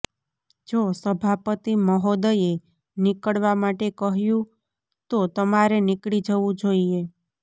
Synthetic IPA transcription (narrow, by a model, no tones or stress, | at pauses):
d͡ʒosəbʱapət̪iməɦod̪əje | nɪkəɽʋamaʈekəɦjũ | t̪ot̪əmaɾenɪkɽid͡ʒəʋũd͡ʒoie